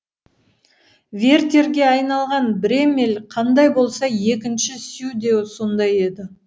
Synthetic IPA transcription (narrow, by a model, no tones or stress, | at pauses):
vʲe̞rt̪ʲe̞ɾɡʲe̞ɑjnɑlˠʁɑnbɪɾe̞melʲqʰɑnd̪ɑjbo̞lˠsɑje̞kʲɪnʃɪsjud̪e̞wso̞nd̪ɑje̞d̪ɪ